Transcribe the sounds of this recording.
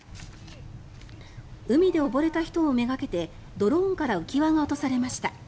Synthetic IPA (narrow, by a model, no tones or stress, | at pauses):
ɯ̟mʲid̪e̞o̞bo̞ɾe̞t̪açi̥t̪o̞ːme̞ɡake̞t̪e̞ | d̪o̞ɾõːŋkaɾaɯ̟kʲiβaɡao̞t̪o̞saɾe̞maɕi̥t̪a